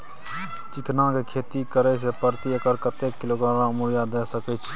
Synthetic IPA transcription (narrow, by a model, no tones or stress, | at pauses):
t͡ʃɪkʰnãːkeːkʰeːt̪iːkəɾeːs̬eːpəɾt̪iːəkəɾkət̪eːkːɪloːɡɾaːɾãːmuɾjaːd̪eːsəkət͡ʃʰ